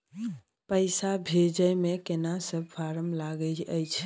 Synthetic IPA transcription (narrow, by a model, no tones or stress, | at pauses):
pəɪsabʱed͡ʒəjmekenasəb̚pʰaɾəmlaɡət͡ʃəjt͡ʃʰ